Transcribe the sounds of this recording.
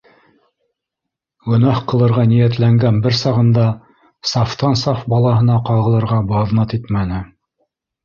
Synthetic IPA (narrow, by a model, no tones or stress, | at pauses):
ɡɵ̆nɑhqɤ̆lˠɤ̆ɾʁɑnijæt̪læŋɡænbɘɾsɑʁɤ̆nd̪ɑ | sɑft̪ɑnsɑfbɑlˠɑɦɤ̆nɑqɑʁɤ̆lˠɤ̆ɾʁɑbɑðnɑt̪it̪mænɘ